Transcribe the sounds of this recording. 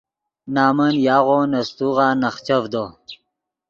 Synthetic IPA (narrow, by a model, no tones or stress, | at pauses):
naːmənjɑːɣonɐst̪uʁɑnɐχt͡ɕɐvd̪o